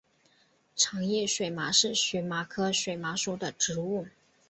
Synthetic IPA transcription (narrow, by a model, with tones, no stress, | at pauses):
ʈ͡ʂʰɑ˧˥ŋjɛ˥˩ʂwe˨˩ɪma˧˥ʂɻ̩˥˩ɕɥɛ˧˥ma˧˥kʰɤ˥ʂwe˨˩ɪma˧˥ʂu˧˥d̪ə˨ʈ͡ʂɻ̩˧˥u˥˩